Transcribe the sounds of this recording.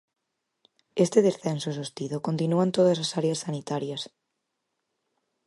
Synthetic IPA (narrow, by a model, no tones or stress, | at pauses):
est̪eðesθensosost̪iðokont̪inuant̪oð̞ɐsasaɾeɐsːanit̪aɾjɐs